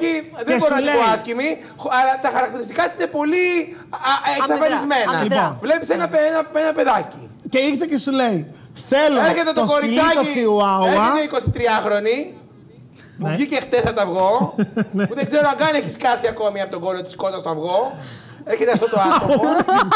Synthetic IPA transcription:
iðeboɾoɐoɐscimi | xɐlɐt̪ɐxɐɾɐkt̪iɾist̪i̥kɐt̪isine̞po̞li | ʔesɐfɐizme̞nɐvle̞pisenɐpenɐenɐpeðɐci | ceixt̪ecesulei | θeleɾçet̪et̪oɡoɾit͡sɐciiuɐɐit̪eiko̞sit̪ɾiɐxɾo̞ni | muvʝicext̪esɐot̪ɐvɣo̞ | uðeɡzeɾoɐŋɡɐneçiskɐsiɐko̞miɐpot̪o̞ɡoɾot̪i̥sko̞t̪ɐst̪oɐvɣo̞ | eɾçet̪eɐft̪ooɐt̪oo

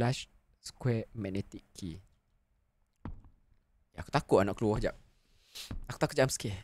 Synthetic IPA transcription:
laʃ | sə̥kwɛmɛnet̪ikʰːi | jaaku̥t̪akʊʔanaʔkəluɔhd͡ʒa̰p̚ | aku̥t̪akʊʔd͡ʒamske

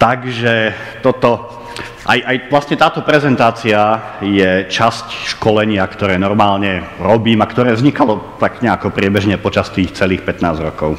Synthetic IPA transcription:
t̪aɡʒɛ | t̪ɔt̪ɔ | ʔa̰jʔajʋlasɲɛt̪aːt̪ɔpɾɛzɛnt̪aːt͡sia | jɛt͡ʃascʃkɔlɛɲɪakt̪ɔɾɛːnɔɾmaːlɲɛɾɔbiːmakt̪ɔɾɛːzɲikalɔt̪aɡɲɛakɔpɾɪɛbɛʒɲɛpɔt͡ʃast̪iːxt͡sɛliːxpɛt̪naːzɾɔkɔʊ

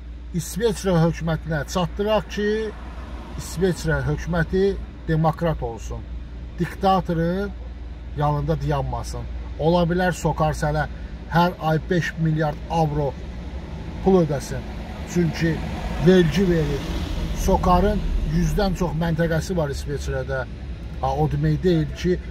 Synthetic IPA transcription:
isve̞sɾɑɦø̞cʰmæt̪ʰinæt͡ʃʰɑt̪ːɯɾɑʁcʰiː | sve̞sɾɑɦø̞cʰmæt̪ʰid̪̥e̞mokɾɑt̪ʰo̞lˠsun | d̪̥ikt̪ʰɑt̪ʰo̞ɾnn | jɑnɯnd̪ɑd̪ɯjɑnmɑsɯno̞lˠɑbilæɾso̞kʰɑɾsælæ | hæɾɑjbe̞ʃmiljɑɾd̪̥ɑvɾo̞ | pʰulˠød̪æsin | t͡ʃʰyɲcʰiveɾɟiveɾiɾso̞kʰɑɾɯnjyzd̪ænt͡ʃʰo̞χmænt̪ʰæɡæsivɑɾisve̞t͡ʃɾɑd̪æ | ɑod̪mejd̪e̞jilcʰi

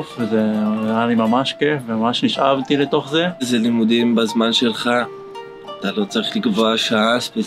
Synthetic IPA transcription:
fezeanimamaʃkefvemamaʃniʃavt̪ilet̪o̞χzezelimud̪imbazmanʃelχa | at̪alo̞t͡saʁiχlikvoaʃaasve

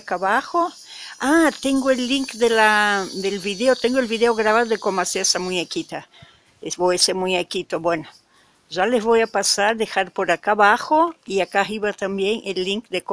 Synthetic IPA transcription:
kaβaxo | at̪eŋɡoelːiŋkd̪elad̪elβiðeot̪eŋɡoelβiðeoɣɾaβaðoðekomaseɾesamuɲekit̪a | eβojasemuɲekit̪obweno | ʒalezβojapasaɾd̪exaɾpoɾakaβaxoiakaɦiβat̪ambjeŋelːiŋkd̪eko

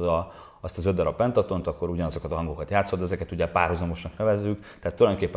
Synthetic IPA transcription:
d̪ɒ | ɒst̪ɒzød̪ɒɾɒppɛnt̪ɒt̪o̞nt̪ɒkːo̞ɾuɟɒnɒzo̞kɒt̪ɒɦɒŋɡo̞kɒt̪jaːt̪so̞d̪ɛzɛkɛt̪uɟɛpaːrhuzɒmo̞ʃnɒknɛvɛzːyktt̪ɛɦat̪ːuljdonkeːpːɛ

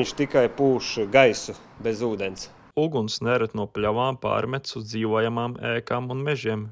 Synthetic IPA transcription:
ɲʲʃt̪ikajpuːʃɡajsu | bʲezuːd̪ens | uɡunsnɛɾt̪nuɔpʲlʲaʋaːmpa̰ːɾmʲɛt̪suzd̪ziːʋuɔjamaːmɛːkaːmunmeʒiɛm

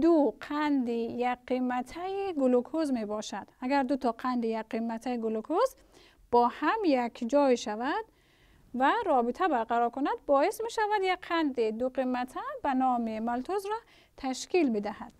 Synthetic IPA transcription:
d̪uqʰand̪ijaqːimːat̪ʰajiɡulukʰozmebɔʃad̪̥aɡæɾd̪ut̪ʰɔqʰand̪ijaqimːat̪ʰaiɡulukʰoz | b̥ɔːhamjakʰd͡ʒɔjiʃavad̪̥ | vaɾɔbit̪ʰabaɾqaɾɔɾkunad̪bɔismeʃavad̪jakqʰːand̪id̪uqimːat̪ʰabanɔːmimalt̪ʰozɾɔ | t̪ʰaʃkilbid̪ahad̪̥

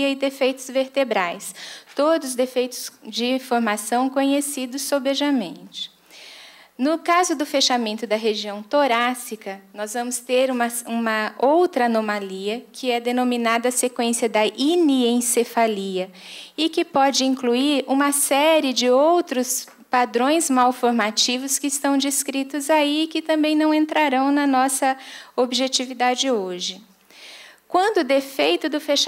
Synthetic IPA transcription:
ɐɪd̪efejt̪ʊzveɾt̪ebɾajst̪od̪ʊzʊzd̪efejt̪ʊ̥sd͡ʒɪfoɾmasɐ̃w̃kõɲesid̪ʊsːobeʒamẽnt͡ʃɪ̥ | nʊkazʊd̪ʊfeʃamẽnt̪ʊd̪ɐɦeʒiɐ̃w̃t̪oɾasikɐnɔzvɐ̃mʊst̪eɾũmɐũmɐowt̪ɾɐanomaliɐkʰɪɛd̪enominad̪ɐːsekwẽsiɐd̪ɐʔiniẽsefaliɐ | ɪkɪpɔd͡ʒɪĩŋkluiɾũmɐsɛɾɪd͡ʒɪowt̪ɾʊs | pad̪ɾõj̃zmawfoɾmat͡ʃivʊskɪɪst̪ɐ̃w̃d͡ʒɪskɾit̪ʊzaiːkɪt̪ɐ̃mbẽj̃nɐ̃w̃ẽnt̪ɾaɾɐ̃w̃nɐnɔsɐobiʒet͡ʃivid̪ad͡ʒɪoʒɪ | kwɐ̃nd̪ʊːd̪efejt̪ʊd̪ʊfeʃ

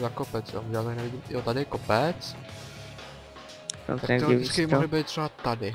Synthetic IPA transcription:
zakopɛt͡sjo̰nuɟɛlalt̪aknɛvɪɟiːmjot̪adɪjɛkopɛt͡s | t̪ak̪ɛt̪ɪt͡skɪbɪmoɦlɪbɛjt̪t̪ːr̥ɛbat̪adɪ

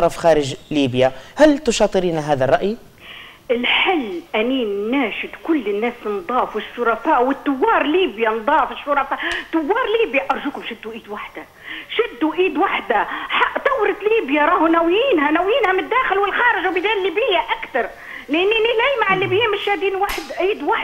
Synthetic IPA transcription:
ɾˤɑfxaːɾɪʒliːbjahalt̪ʊʃɑːt̪ˤɨɾiːnaɦaːðarˤːɑʔj | ɪlħɪlːʔaninaːʃɪd̪kʊlːɪnːaːsnd̪ˤɑːfwɪʃːʊɾˤɑfaːʔwɪt̪ːʊwːɑːɾˤliːbjand̪ˤɑːfɪʃːʊɾˤɑfaːt̪ːʊwːɑːɾˤliːbjaʔɑɾˤʒuːkʊmʃɪd̪ːuʔiːd̪waħd̪a | ʃɪd̪ːuʔiːd̪waħd̪aħaʔt̪ˤɑwːɾˤɑt̪liːbjaɾˤɑːhunæwjiːnɦænawjiːnhamd̪ːaːxɪlwɪlxɑːɾɪʒwbɪd̪aːlːiːbɪjːaʔakt̪ɑɾˤ | lɪʔɪnːinːilajmaʕɪlːiːbjiːnmɪʃːaːd̪iːnwaħd̪ʔiːd̪waħ

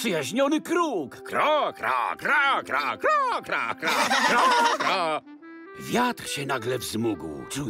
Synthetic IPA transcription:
pʂɨjaʑɲɔnɘkɾukkɾɔkɾɔkɾakɾɔkɾɔkɾakɾɔkɾɔkɾɔ | vʲjat̪ɾɕɛnaɡlɛvzmuɡwt͡ʂu

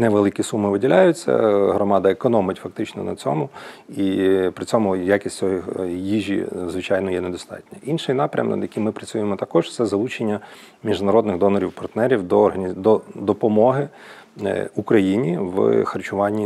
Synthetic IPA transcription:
nɛʋelˠɪkʲisumɪʋɪdʲilʲajʊt͡sʲːɐ̰ɦɾɔmɑd̪ɐekɔnɔmɪtʲfɐk̚t̪ɪt͡ʃnɔ̰nɐ̰t͡sʲɔ̰mʊ | ipɾɪt͡sʲɔmʊjakʲisʲtʲɔjijiʒʲḭzʋɪt͡ʃɑjnɔjɛned̪ɔst̪ɑ̰tʲnʲɐʔinʃɪjnɑpɾʲɐ̰mnɐ̰jɐkʲimɪpɾɐt͡sʲujemɔt̪ɐkɔʒ̥t̪sɛzɐlˠut͡ʃenʲːɐ | mʲiʒnɐɾɔd̪nɪɣd̪ɔnɔɾʲiwpɐrt̪nɛɾʲiwd̪ɔːrɦɐnʲd̪ɔd̪ɔpɔmɔɦɪ | ukɾɐjinʲiʋxɐrt͡ʃʊʋɑnʲːi

